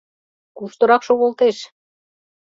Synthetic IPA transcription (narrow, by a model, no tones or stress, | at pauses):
kuʃt̪ɤ̆ɾɑkʃoɣolt̪eʃ